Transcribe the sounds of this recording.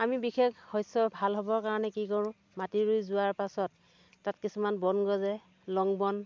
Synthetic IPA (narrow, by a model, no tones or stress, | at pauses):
amibixʰekʰhɔjsɔbʱalɦɔbɔɹkaɹɔnɛkikɔɹʊ̃ | matiɹujzʊaɹpasɔtː | atkisumanbɔnɡɔzɛ | lɔŋbɔn